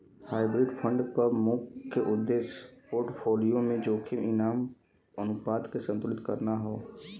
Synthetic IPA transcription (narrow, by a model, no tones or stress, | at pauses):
haːɪbɾɪɖpʰə̃ɳɖpəɾmuːkkːeʔʊd̪ːeːʃpoːɾʈpʰoːlijomẽd͡ʒoːkʰɪmɪnaːm | ənʊpaːd̪kesə̃nt̪ʊlɪt̪kɐɾnaɦoː